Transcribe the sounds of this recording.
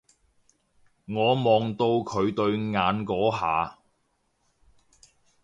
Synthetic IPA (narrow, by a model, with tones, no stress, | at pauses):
ŋɔː˨˧mɔː˨ŋt̪o˧wkʰɵ˨˧ɥt̪ɵ˧ɥŋaː˨˧nkɔː˨˥ɦaː˨˧